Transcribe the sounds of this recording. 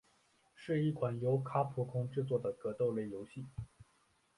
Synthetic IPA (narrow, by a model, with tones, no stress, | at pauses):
ʂɻ̩˥˧i˥˩kʰwa˨˩njo˧˥ʊkʰa˥pʰu˧˥kʰʊ˥ŋʈ͡ʂɻ̩˥˧t͡swɔ˥˩d̪ə˩kɤ˧˥t̪o˥˧ʊle˥˩ɪjo˧˥ʊɕi˥˩